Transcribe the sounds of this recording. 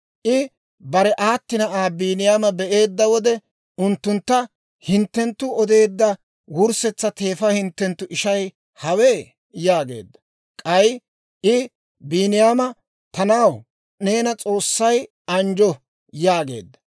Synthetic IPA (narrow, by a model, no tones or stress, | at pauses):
ʔɪ | bɐɾɛʔaːt̪ːɪnɐʔaːbiːnɪjaːmɐbɛʔe̞ːd̪ːɐwɔd̪ɛ | ʊnt̪ːʊnt̪ːɐ | hɪnt̪ːɛnt̪ːʊɔd̪e̞ːd̪ːɐ | wʊɾsɛt͡sːɐt̪e̞ːfɐhɪnt̪ːɛnt̪ːʊʔɪʃɐj | hɐweː | jaːɡe̞̰ːd̪ːɐ̥ | kʼɐj | ʔɪ | biːnɪjaːmɐ | t̪ɐnɐw | ne̞ːnɐt͡sʼo̞ːsːɐj | ɐnd͡ʒɔ | jaːɡe̞̰ːd̪ːɐ̥